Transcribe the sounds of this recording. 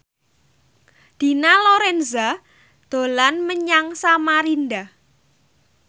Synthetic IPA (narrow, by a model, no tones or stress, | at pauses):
d̪̥i̤naloɾɛnza | d̪̥o̤lanməɲaŋsamaɾind̪a